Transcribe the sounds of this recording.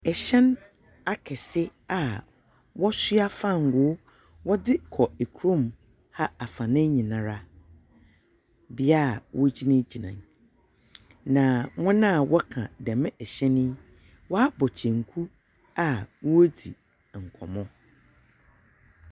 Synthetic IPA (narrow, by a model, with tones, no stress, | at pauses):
ɛ˨ɕɛ̃˦n | a˨kʰɛ˨sɪ˦a˨ | wɔ˦sɥa˦fa˦˨ŋ̩˨ɡʊ˨˦ | wɔ˦dɪ˦kʰɔ˨e˨kʰu˨ɾõ˦˨m | ha˦a˨fã˨nɪ̃˦ɲĩ˨nã˨ɾa˦ | bɪ˦a˦˨wɔ˦d͡ʑi˦nɪ̃˦d͡ʑi˨nã̰˨ŋ | nã˨ŋʊ̃˦nã˦˨wɔ˦kʰã̰˨dɛ˨mɪ̃˦ʔɛ˨ɕɛ̃˦nɪ̃˦ | wɔ˦a˦bɔ˨t͡ɕʰɛ̃˨ŋ˨kʰu˦ | a˨wo˦dḭ˨ | ŋ̩˨kʰɔ˨mɔ̃˦